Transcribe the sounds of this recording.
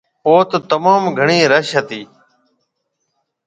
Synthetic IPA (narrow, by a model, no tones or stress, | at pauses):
poːt̪t̪əmaːmɡʱəɳiːɾəʃət̪iː